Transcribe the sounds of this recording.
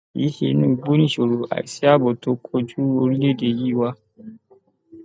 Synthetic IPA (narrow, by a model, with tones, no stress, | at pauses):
ji˦hḛ˨nũ˦bu˦ni˦ʃo˨ɾo˨ʔa̰˨i˨si˦a˦bo˨to˦kʰo˦d͡ʒu˦o˦ɾi˦le˦de˨ji˦wa˦